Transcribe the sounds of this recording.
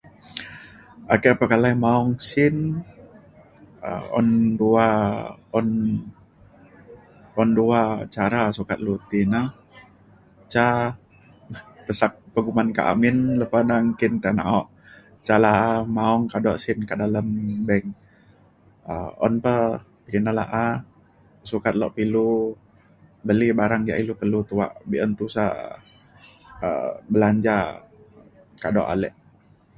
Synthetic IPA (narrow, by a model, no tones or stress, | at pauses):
akɛʔpəkalaimaɔŋsɪn | ə̰ɔ̰nduaɔn | ɔnduat͡ʃaɾasukat̪̚lut̪ina | t͡ʃa | pəsak̚pəɡumanka̰ʔa̰mɪnləpanaŋkint̪aʔna̰ɔʔ | t͡ʃalaamaɔŋkadɔʔsɪnkaʔdaləmbɛŋ | ə̰ɔ̰npə | pəkinala̰ʔa | sukat̪̚lɔ̰ʔpilu | bəlibaɾaŋja̰ʔilupəlut̪uwa̰ʔbiʔənt̪usa̰ | ə̰bəlaɲd͡ʒa | kadɔ̰ʔa̰lɛ̰ʔ